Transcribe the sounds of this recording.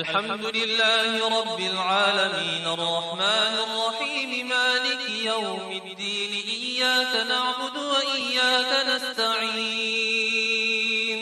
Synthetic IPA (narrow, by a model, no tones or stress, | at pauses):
alħamd̪ʊlɪlːaːhɪɾˤɑbːɪlʕaːlamiːnʔɑrˤːɑħmaːnɪrˤːɑħiːmɪmaːlɪkjawmɪd̪ːiːnɪʔɪjːaːkanaʕbʊd̪waʔɪjːaːkanast̪aʕiː | n